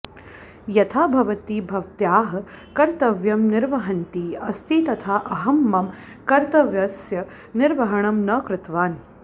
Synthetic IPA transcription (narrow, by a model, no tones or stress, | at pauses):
jɐt̪ʰaːbʱɐʋɐt̪iːbʱɐʋt̪jaːɦɐ̆kɐɾt̪ɐʋjɐmnɪɾʋɐɦɐnt̪iːɐst̪ʰiːt̪ɐt̪ʰaːʔɐɦɐmːɐm | kɐɾt̪ɐʋjɐsjɐ | nɪɾʋɐɦɐɳɐmnɐːkɾɪt̪ʋaːn